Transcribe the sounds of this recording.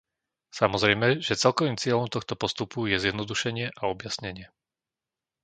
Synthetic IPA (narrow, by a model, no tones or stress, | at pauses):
samɔzɾɛjmɛʒɛt͡sɛlkɔʋiːmt͡sɪɛʎɔmt̪ɔxt̪ɔpɔst̪upujɛzjɛd̪nɔd̪uʃɛɲɪɛʔaɔbjasɲɛɲɪɛ